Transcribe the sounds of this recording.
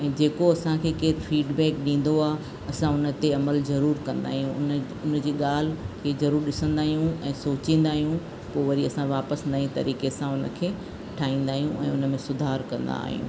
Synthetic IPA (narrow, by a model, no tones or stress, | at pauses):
ɛ̃ːd͡ʑeːkoɐsãkʰeːkeːfiːɖbɛːkɗĩːn̆d̪oaː | ɐsãʊnə̆t̪eɐməlzɐɾuːɾkɐ̃nd̪a̰ːɦijũn | ʊnd͡ʑiːɠaːl̤kʰeːzɐɾuːɾɗɪsə̃nd̪aːɦijũɛ̃ːsoːt͡ɕĩːn̆d̪aːɦijũ | poːʋɐɾiɐsãʋaːpəsnɐĩt̪ɐ̰ɾiːkesãʊnə̆kʰeː | ʈʰaːĩːn̆d̪aːɦijũʔɛ̰̃ːʊnə̆mẽsʊd̪ʱaːɾkɐ̃nd̪a̰ːɦijṵ̃ː